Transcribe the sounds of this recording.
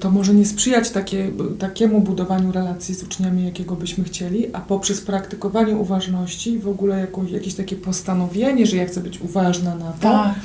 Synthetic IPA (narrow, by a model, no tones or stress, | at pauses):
t̪ɔmɔʐɛɲɛspʂɘjat͡ɕt̪akʲɛt̪akʲɛmubud̪ɔvaɲuɾɛlat̪sʲjizut͡ʂɲamʲijakʲɛɡɔbɘɕmɘxt͡ɕɛlʲiʔʔapɔpʂɛspɾakt̪ɘ̥kɔvaɲɛuvaʐnɔɕt͡ɕivɔɡulɛjakɔ̃jakʲeɕt̪akʲɛpɔst̪anɔvʲjeɲɛʐɛjaxt̪sɛbɘt͡ɕuvaʐnanat̪ɔ